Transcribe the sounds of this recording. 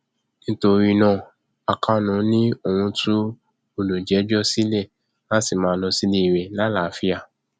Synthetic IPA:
nĩ˦to˧ɾi˧nã˦˧˨ | a˨kʰa˦nũ˨˦nĩ˦o˨wũ˧tʰu˦ | o˧lo˨d͡ʒɛ˨˦d͡ʒɔ˦si˦le˦˨ | na˦si˦˨mãː˨˧˦lɔ˧si˦li˦i˨ɾe˨la˦la˨fi˦a˦˨

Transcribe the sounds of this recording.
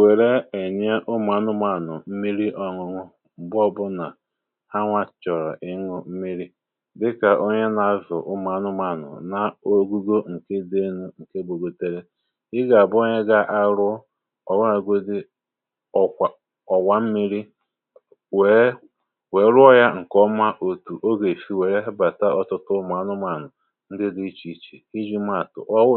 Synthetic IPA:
we˨ɾe˦e˨ɲe˦ʔʊ˦ma˨nʊ˦ma˨nʊ̰˨m̩˦mi˦ɾi˦ʔɔ˨ŋʊ˨ŋʊ˦ | m̩˨bɔ˦bʊ˦na˨ | ha˦ŋʷa˨t͡ʃɔ˨ɾɔ̰˨ʔɪ˦ŋʊ˦m̩˦mi˦ɾi˦ | dɪ˦ka˨ʔo˦ɲe˦na˨a˦zʊ̰˨ʔʊ˦ma˨nʊ˦ma˨nʊ̰˨na˨o˦ɡu˦ɡo˦ŋ̩˨ke˦de˦nu˦ŋ̩˨ke˦bo˨ɡo˨te˦ɾe˦ | ɪ˦ɡa˨a˨bo˦ɲe˦ɡa˦ʔa˦ɾʊ˦ | ɔ̰˨wa˦ɾa˨ɡo˦dɪ˦ | ɔ˦˨ | ɔ˨wa˦m̩˦mi˦ɾi˦ | e˨˦ | we˨˦ɾʊ˦ɔ˦ja˦ŋ̩˨kɔ˦ma˦ʔo˨tu˨ʔo˦ɡe˨fi˦we˨ɾe˦ɦe˦ba˨ta˦ɔ˨tʊ˦tʊ˦ma˨˦nʊ˦ma˨nʊ˨ | n̩˦dɪ˦dɪ˦t͡ʃi˨˦t͡ʃḭ˨i˦d͡ʒi˦m˦a˨tʊ̰˨ʔɔ˦

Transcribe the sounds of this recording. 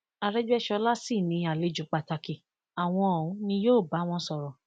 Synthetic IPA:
a˧ɾɛ˦d͡ʒu˦ɛ˦ʃɔ˧la˦si˦˨nĩ˧˦a˨le˨˦d͡ʒu˨˦k͡pa˧˨ta˧ki˧˨ | a˨w̃ɔ̃˧o˨ũ˨˦nĩ˧joː˦˨ba˨˦w̃ɔ̃˧sɔ˨ɾɔ˨

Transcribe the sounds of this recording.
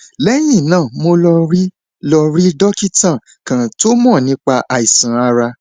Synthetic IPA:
lɛ˦j̃ĩ˦˨nãː˦˨mo˧lɔ˧ɾi˦ | lɔ˧ɾi˦dɔ˦ki˦tã˦˨ | kã˨to˦mɔ̃˦˨nĩ˦k͡pa˧ʔa˨i˨sã˨a˧ɾa˧

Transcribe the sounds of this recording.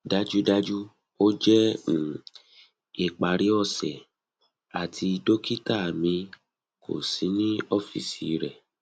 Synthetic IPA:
da˦d͡ʒu˦da˦d͡ʒu˦ | o˦d͡ʒɛ˦˨ | e˨k͡pa˨ɾi˨˦ɔ˦˨sɛ˨ | a˨tʰi˧do˦ki˦ta˦˨mĩ˧ | kʰo̰˨si˨˦nĩ˦ɔ˦fḭ˨si˨˧˦ɾɛ˨

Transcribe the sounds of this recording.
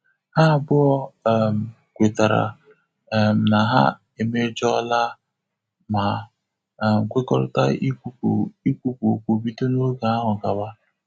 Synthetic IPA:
ha˦˨bʊ˦ɔ˦m̩˨ | kʷe˨ta˨ɾa̰˨ | m̩˨na˨ɦa̰˦ | e˨me˦d͡ʒɔ˦la˦ | ma˨ | ŋ̩˨kʷe˦ɡɔ̰˦ɾʊ̰˦ta̰˦i˦kʷu˦˨i˦kʷu˦po˨kʷo˨bi˦to˦no˦ɡa˨a˦ɦʊ˨ɡa˨ba˦

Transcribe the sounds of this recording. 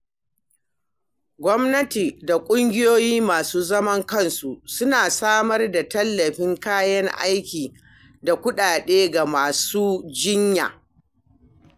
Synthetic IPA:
ɡʷɔ˦mnɐ˦ti˨da˨kʷʼʊ˦ŋɡʲɪ˦joː˦jiː˦maː˨suː˦zɐ˦mɐ˦ŋkɐ˦˨nsu˨sʊ˦naː˨saː˦mɐ˦rda˨tɐ˦lːɐ˨ɸɪ˦ŋkaː˦jɐ˦ŋʔa̰˦jkʲiː˨ | da˨kʷʊ˦ɗaː˨ɗeː˦ɡa˨maː˨suː˦d͡ʒɪ˦ɲja̰ː˨

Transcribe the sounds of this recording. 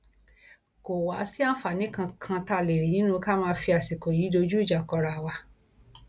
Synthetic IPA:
ko˨wa˨˦si˦a˦fa˨nĩ˨˦kã˧kʰã˧ta˧˨le˨ɾi˨nĩ˦nũ˦˧ka˦mãː˦˧˦fi˧a˨si˨ko˨jiː˨˦do˧d͡ʒu˦i˦˨d͡ʒa˨kɔ˧ɾa˧˨wa˧

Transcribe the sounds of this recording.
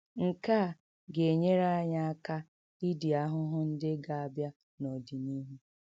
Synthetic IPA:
ŋ̩˨ka˦˨ | ɡe˨e˨ɲe˦ɾa˦a˦ɲa˦a˦ka˦ | i˦di˨a˦ɦʊ˦ɦʊ˦n̩˦dɪ˦ɡa˨a˨bja˦ | no˨di˨ni˦ɦu˦

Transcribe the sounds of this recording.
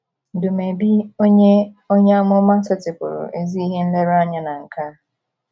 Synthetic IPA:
dʊ˨me˨bi˦o˦ɲe˦o˦ɲe˦a˦mʊ˦ma˦sɔ˦tɪ˨kʊ̰˨ɾʊ̰˨ʔe˦zi˦i˦ɦe˦n̩˦le˦ɾa˦ɲa˨na˨ŋ̩˨ka˦

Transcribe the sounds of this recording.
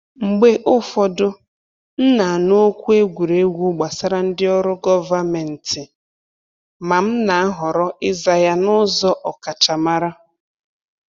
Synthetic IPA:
ŋ͡m̩˨ɡ͡be˦ʔʊ˦fɔ˨dʊ˦ | n̩˦na˨a˨no˦kʷu˦e˦ɡʷu˨ɾe˦ɡʷu˦ɡ͡ba˨sa˦ɾa˦n̩˦dɪ˦ɔ˦ɾʊ˦ɡɔ˦va˦me˨n̩˨tɪ˨ | ma˨m̩˦na˨a˦ɦɔ˨ɾɔ˦ɪ˦za˨ja˦nʊ˦zɔ˦ʔɔ˨ka˨t͡ʃa˨ma˦ɾa˦

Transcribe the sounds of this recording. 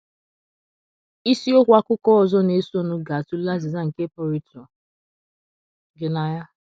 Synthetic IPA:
i˦si˦o˦kʷa˦kʷʊ˦kɔ˦ɔ˨zɔ˦ne˦su˦o˦nʊ˦ɡa˨tu˦la˦zɪ˨za˦ŋ̩˨ke˦pɔ˦ɾi˦tɔ˨ | ɡɪ˦na˦ja˦

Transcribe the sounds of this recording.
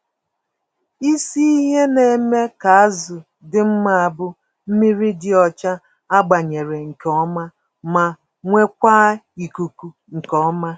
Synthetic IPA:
i˦si˦i˦ɦe˦ne˨me˦ka˨a˦zʊ˨ | dɪ˨˦m̩˦ma˦a˨bʊ˦ | m̩˦mi˦ɾi˦dɪ˦ɔ˨t͡ʃa˦ | a˦ɡ͡ba˨ɲe˨ɾe˨ŋ̩˨kɔ˦ma˦ | ma˨ | ŋʷe˦kʷa˦ | i˨ku˨ku˨ | ŋ̩˨kɔ˦ma˦

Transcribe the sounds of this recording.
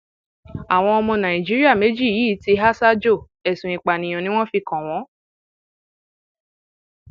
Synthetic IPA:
a˨w̃ɔ̃˧ɔ˧mɔ̃˧nã˨ĩ˨d͡ʒi˦ɾi˦a˦˨me˨˦d͡ʒi˦˨jiː˦˨˦ti˧ɦa˦sa˦d͡ʒo˦˨ | ɛ˨sũ˨i˨k͡pa˨nĩ˨j̃ɔ̃˨˧nĩ˦w̃ɔ̃˦fi˧kɔ̃˨w̃ɔ̃˨˦

